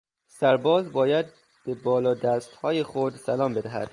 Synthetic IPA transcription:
sæɾbɒːzbɒːjæd̪̚ | b̥ebɒːlɒːd̪æːst̪hɒːjexod̪sælɒːmbe̞d̪æɦæ̰d̪̥

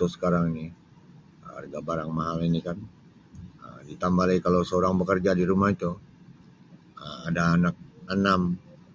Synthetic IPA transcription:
usə̥kaɾaŋini | əa̰rɡabaɾaŋmaɦalinikan | ə̰dit̪ambalaikalowsəoɾaŋbəkərd͡ʒadiɾumahit̪u | əmadaːnak̚ənam

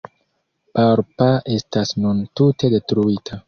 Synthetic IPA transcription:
paɾpaʔe̞stasnuntute̞de̞tɾuitʰa

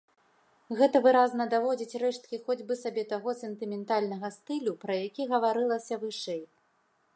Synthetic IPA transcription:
ɣɛt̪ɐvɨɾaznɐd̪avɔd͡zʲit͡sʲrɛʂt̪̚kʲixɔd͡zʲbɨsabʲɛt̪aɣɔsɛnt̪ɨmʲɛnt̪alʲnɐɣɐst̪ɨlʲupɾɐjakʲiɣɐvaɾɨlˠɐsʲɐvɨʂɛj

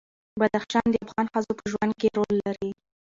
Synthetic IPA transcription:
bad̪axʃɑnd̪əafɣɑnxəzopəʒwand̪̚keɾolːaɾi

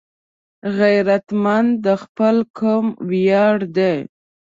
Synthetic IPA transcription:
ɣajɾat̪mand̪əxpəlkʰumwjɑɽd̪ej

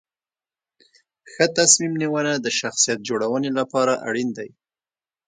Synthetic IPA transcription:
xət̪asmimniwənad̪əʃaxsijat̪̚d͡ʒoɽawənelapɑɾaʔa̰ɽind̪aj

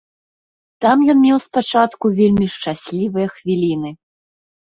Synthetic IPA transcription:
t̪amjɔnmʲɛwspat͡ʂat̪kuvʲelʲmʲiʂt͡ʂasʲlʲivɨjɐxvʲilʲinɨ

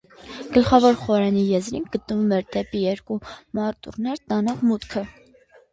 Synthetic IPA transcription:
ɡ̥əlχɑvɔɾχɔɾɛnijɛzɾinɡət̪nəvumɛɾd̪ɛpijɛɾkumɑɾt̪ṵrnɛɾt̪ɑnɔʁmut̪kʰə

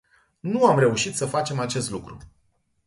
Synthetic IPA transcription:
nuamɾe̞uʃit̪səfat͡ʃe̞mat͡ʃe̞st̪lukɾṵ

